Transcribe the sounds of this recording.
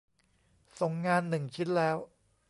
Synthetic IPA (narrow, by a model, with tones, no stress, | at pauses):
so˨˩ŋːaː˧nːɯ˨˩ŋkʰi˦˥t̪̚lɛː˦˥w